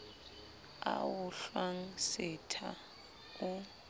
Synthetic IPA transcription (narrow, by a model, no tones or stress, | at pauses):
a̰wuɬwaŋ̩sɛtʰa | u